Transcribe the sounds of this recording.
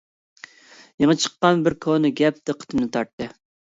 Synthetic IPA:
jeŋət͡ʃʰə̥qːɑnbɪɾkʰonɨɡʲɛp̚d̪ɨqʰə̥t̪ʰɨmnɨt̪ʰɑɾt̪ːɨ

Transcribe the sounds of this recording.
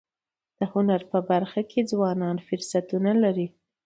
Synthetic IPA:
d̪̥əhʊnaɾpəbaɾxakʰed͡zwɑnɑnfʊɾsat̪unalaɾi

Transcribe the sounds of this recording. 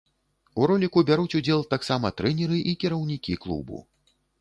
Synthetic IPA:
uɾɔlʲikubʲaɾut͡sʲud͡zʲɛlˠt̪aksamɐt̪ɾɛnʲɛɾɨʔikʲiɾɐwnʲikʲiklˠṵbṵ

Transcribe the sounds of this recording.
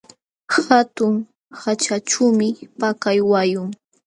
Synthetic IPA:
hat̪ʊŋ | hat͡ʃat͡ʃumɪpakajwajʊŋ

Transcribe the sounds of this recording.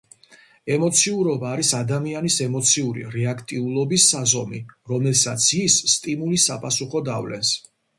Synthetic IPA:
ɛmɔt̪sʰiuɾɔbaːɾisad̪amianisɛmɔt̪sʰiuɾḭɾɛakʰt̪ʼiulˠɔbisːazɔmiɾɔmɛlˠsat̪sʰisːt̪ʼimulisːapʼasuχɔd̪a̰vlɛ̰ns

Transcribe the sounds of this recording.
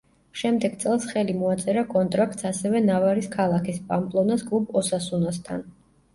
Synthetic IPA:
ʃɛmd̪ɛɡ̥t̪sʼɛlˠsχɛlimɔat̪sʼɛɾakʼɔnt̪ʼɾak̚ʰt̪sasɛvɛnavaɾiskʰalˠakʰispʼampʼlˠɔnasɡʼlˠupʰɔsasunast̪ʰan

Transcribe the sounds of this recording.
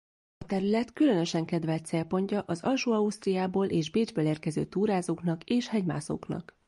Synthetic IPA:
ɒt̪ɛɾylɛt̪kylø̞nø̞ʃɛŋkɛd̪vɛlt̪sɛːlpo̞ɲcɒʔɒzɒlʃuːɒust̪rijaːboːlʔeːʒbeːd͡ʒbøleːrkɛzø̰ːt̪uːɾaːzoːknɒkeːʃhɛɟma̰ːso̰ːknɒ̰k

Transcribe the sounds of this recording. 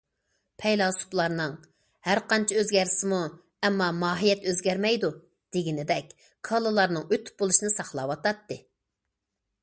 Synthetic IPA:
pʰɛjlˠɑsu̥plˠɑɾnɨŋ | hæɾqɑnt͡ʃʰɛøzɡʲæɾɪsɪmu | ɛmːɑmɑːɦijɛt̪øzɡʲæɾmɛjd̪u | d̪̥eɡʲinɪd̪ɛkʲ | kʰɑlˠɨlˠɑɾnɨŋøt̪ʰy̥p̚bolˠuʃinɨsɑχlˠɑwɑt̪ɑt̪ːɨ

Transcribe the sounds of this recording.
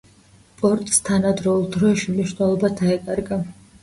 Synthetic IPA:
pʼɔɾt̪ʼst̪ʰanad̪ɾɔulˠd̪ɾɔʃimniʃwnɛlˠɔbad̪ʰaɛkʼaɾɡa

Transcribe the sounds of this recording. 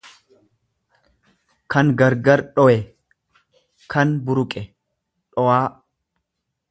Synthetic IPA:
kʰɐŋɡɐɾɡɐɾɗɔʔɛ | kʰɐnbʊɾʊkʼɛ | ᶑɔwaː

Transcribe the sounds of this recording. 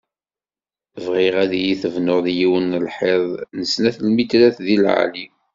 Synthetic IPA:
vʁɪʁæðjiθəvnʊðjiwənəlħeðˤnəsnæθlmit̪læθðilʕa̰li

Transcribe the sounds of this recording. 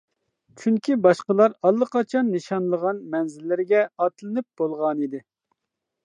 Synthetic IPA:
t͡ʃʰyŋkʲibɑʃqəlˠɑɾɑlˠːəqʰɑt͡ʃʰɑnːɨʃɑnlˠəʁɑnmɛnzɪlːɪɾɪɡʲɛɑt̪lˠɨnɨp̚b̥olˠʁɑnid̪ɪ

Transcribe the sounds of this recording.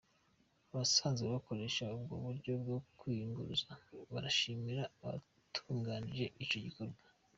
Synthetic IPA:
aβasaːnzeβako̞ɾe̞ʃaubɡo̰βuɾɟo̞b̚ɡo̞kwiːŋɡuɾuzaβaɾaʃimiɾaːβa̰ | tʰuːŋɡaːnije̞ʔit͡ʃo̞ɟiko̞ɾɡwa

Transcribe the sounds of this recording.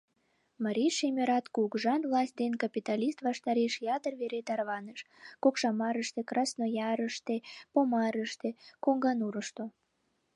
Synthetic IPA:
mɑɾʲiʃemʲeɾɑt̪kuɡʒɑnvlˠɑsʲt̪̚ʲd̪enkɑpʲit̪ɑlʲist̪βɑʃt̪ɑɾeʃjɑt̪ərβeɾet̪ɑrβɑnəʃ | kokʃɑmɑɾəʃt̪ekrɑsnojɑɾəʃt̪epomɑɾəʃt̪ekoŋɡɑnuɾəʃt̪o

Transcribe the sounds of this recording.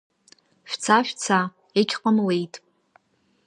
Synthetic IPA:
ʃᶣt͡sʰaʃᶣt͡sʰa | ekʲqʼamle̞jtʼ

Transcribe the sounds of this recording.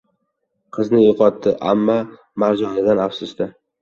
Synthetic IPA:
qʰɨznɪjʊqʰɒt̪ʰːɪʔa̰mːa | maɾd͡ʒɒnɪd̪anafsʊsd̪ɪ

